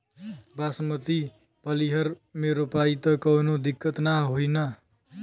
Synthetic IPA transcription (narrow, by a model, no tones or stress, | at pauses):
basʌmʌt̪i | pʌliɦʌrmeɾopait̪ʌkʌwnod̪ikːʌt̪naɦojnʌ